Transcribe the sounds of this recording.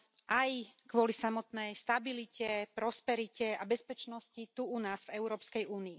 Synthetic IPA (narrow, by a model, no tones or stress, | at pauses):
ʔajkʋʊɔlisamɔt̪nɛjst̪abilicɛpɾɔspɛɾicɛabɛspɛt͡ʃnɔscit̪uunaːzvɛʊɾɔːpskɛjuːniː